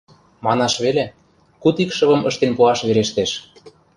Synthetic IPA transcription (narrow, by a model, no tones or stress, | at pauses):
mɑnɑʃβele | kut̪ikʃɤ̆βɤ̆mɤ̆ʃt̪enpuɑʃβeɾeʃt̪eʃ